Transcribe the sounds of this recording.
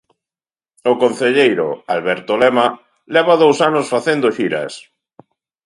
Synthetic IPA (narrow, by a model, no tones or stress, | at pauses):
okonθeʎejɾo̰alβeɾt̪olema | lɛβaðowsanosfaθend̪oʃiɾa̰s